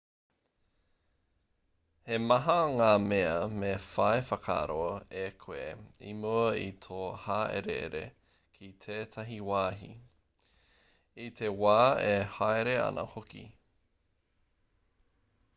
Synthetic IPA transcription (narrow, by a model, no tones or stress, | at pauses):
hemɐɦɐŋaːmeɐmefɐefɐkʰa̰ɾoekʰoeḭmuɐit̪ʰoːhaːʔḛɾḛḛɾḛ | kʰit̪ʰeːt̪ʰɐɦiwaːɦi | it̪ʰewaːehaeɾeɐ̰nɐ̰hokḭ